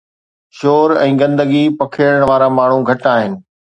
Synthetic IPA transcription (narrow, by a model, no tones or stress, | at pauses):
ʃoːɾɛ̰̃ːɡɐ̃nd̪əɡipɐkʰɪɾəɽ̃ʋaːɾamaːɳ̤ũɡʱɐʈaːɦɪnɪ̆